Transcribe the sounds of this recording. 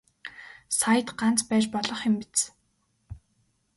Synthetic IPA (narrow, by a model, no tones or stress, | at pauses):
sajə̆t̪ɢant͡spæːt͡ɕpɔɮɞ̆χɪ̆mpit͡s